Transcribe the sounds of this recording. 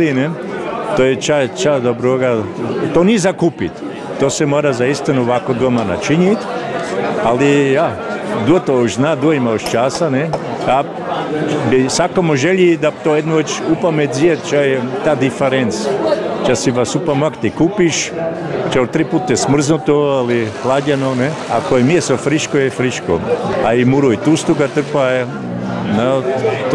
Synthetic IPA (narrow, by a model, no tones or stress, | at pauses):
ine | t̪ojet͡ʃat͡ʃad̪obɾoɡat̪oniezakuːpit̪ː | osemoːɾazaist̪inuʋakod̪omana̰t͡ʃiɲit̪ʲ | alijad̪ut̪ooʃznad̪uoimaoʃt͡ʃasane | a | bisakomoʒeʎid̪at̪ojed̪nuʋet͡ʃupamet̪ziet̪t͡ʃajt̪aːd̪ifeɾent̪st͡ʃasiʋasupamakt̪ikupiʃ | t͡ʃaut̪ɾiput̪ɛsmr̩znut̪oalixlˠaɟʲenonɛa̰koɛmiesofɾiʃkojɛfɾiʃko̰aimuɾoit̪ust̪uɡat̪ərpaj | nat̪